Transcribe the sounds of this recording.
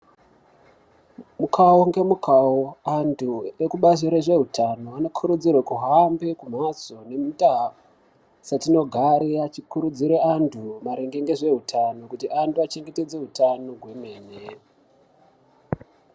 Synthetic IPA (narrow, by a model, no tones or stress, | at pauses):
mukʰaoŋɡe̞mukʰaoantʰuekuɓaziɾeʐe̞ɦutʰano̞ano̞kʰuɾud͡zirwekuɦambe̞kum̤at͡so̞ne̞mutaf | satino̞ɡʱaɾeat͡ʃikuɾud͡ziɾeantʰumaɾeŋɡeŋɡe̞ʐe̞ɦutʰano̞kutiʔantuat͡ʃe̞ŋɡe̞te̞d͡ze̞ɦutano̞ɡwe̞me̞ːne